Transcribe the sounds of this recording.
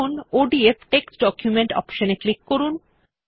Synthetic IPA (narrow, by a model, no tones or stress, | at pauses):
onoɖiefʈeksɖɔkjumeɳʈɔ̰pʃoneklikːoɾun